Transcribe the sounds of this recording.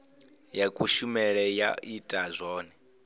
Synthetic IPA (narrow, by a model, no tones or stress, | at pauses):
jakʼuʃumɛɺɛja̰ʔitʼazʷɔːnɛ